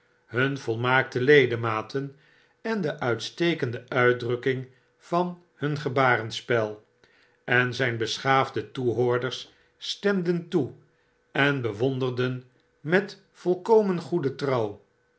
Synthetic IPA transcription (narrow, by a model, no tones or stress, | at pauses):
hɵnvɔlˠmaːk̚təlejdəmaːtʰən | ɛndəʔœɥtstejkəndəʔœɥdrɵkɪŋ | v̥ɑn | hɵnχəbaːrənspɛlˠ | ɛnzɛjnbəsχaːvdətuɦoːɹdəɹsː | tɛmdəntu | ɛnbəʋɔnd̪ərdən | mɛt | fɔlˠkowmənχudətrɑw